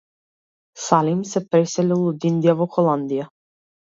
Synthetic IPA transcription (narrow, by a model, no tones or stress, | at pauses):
salimsɛpɾɛsɛlilˠud̪ind̪ijavɔxɔlˠand̪ija